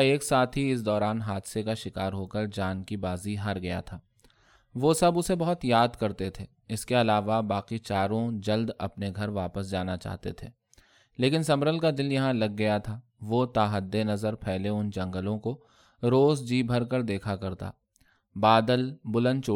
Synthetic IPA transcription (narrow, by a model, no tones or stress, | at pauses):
eːksaːt̪ʰɦiɪs̬d̪ɔːɾaːnɦaːd̪sekaʃɪkaːɾɦoːkəɾd͡ʒaːnkibaːziɦɐɾɡɐja̰t̪ʰaː | ʋosɐbʊsebɐɦʊt̪jaːd̪kɐɾt̪et̪ʰeː | ɪskeɐlaːʋabaːqit͡ʃaːɾõd͡ʒɐld̪ɐ̰pneɡʱɐɾʋaːpəsd͡ʒaːnat͡ʃa̰ːɦt̪ḛt̪ʰḛː | leːkɪnsɐmɾəlkad̪ɪljɐɦãlɐɡːɐjat̪ʰaː | ʋot̪aːɦəd̪ːenɐzəɾpʰɛɦleʊnd͡ʒɐ̃ŋɡəlõko | ɾoːzd͡ʒiːbʱɐɾkəɾd̪eːkʰakɐɾt̪a̰ː | baːd̪əlbʊlə̃nd̪t͡ʃoː